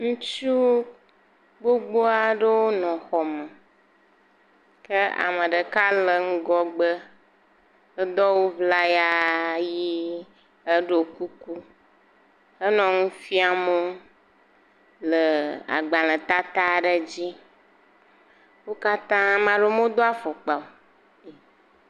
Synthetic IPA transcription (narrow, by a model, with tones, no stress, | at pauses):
ŋũ˦t͡ʃu˦ | ɡ͡bo˦ɡ͡bo˦a˨ɖə˦wo˦nɔ̃˨xɔ˨mə˨ | kə˦a̰˨mə˨ɖə˨ka˦lə˨ŋ̩˦ɡɔ˦ɡ͡bə˦ | ə˦d̪ɔ˦wo˦vla˦ja˦ji˦ | ə˦ɖo˦ku˦ku˦ | ə˦nɔ̃˨ŋũ˦fi˦a˨mo˦ | lə˨a̰˨ɡ͡ba˨lə̃˨t̪a˦t̪a˦ɖə˦d͡ʑi˦ | wo˦ka˦t̪ã˦mã˨ɖo˦mõ˦d̪o˦a˦fɔ˨k͡pa˨o˨ | e˨